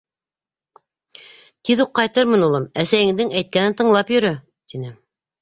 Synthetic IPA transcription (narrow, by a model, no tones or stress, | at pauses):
t̪iðuqːɑjt̪ɤɾmɤnulˠɤmæsæjɘ̆ŋd̪ɘŋæjt̪̚kænɘnt̪ɤ̆ɴlˠɑpjɵ̆ɾɵ | t̪inɘ